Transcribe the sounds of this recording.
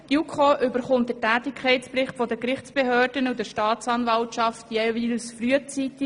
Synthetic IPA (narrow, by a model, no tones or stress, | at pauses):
jukʰoʔʏbəχʊnt̚dətæːtɪkʰχɛɪspɾɪχtfɔdəkɾɪχt͡sb̥eɦøːrdənudəʃtɑːtt͡sɑnvɑltʃɑftjeviːlsfryət͡sitɪ